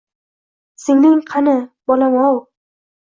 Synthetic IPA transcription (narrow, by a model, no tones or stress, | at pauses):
sɪŋnɪŋqʰɑnɪbɒlamɒw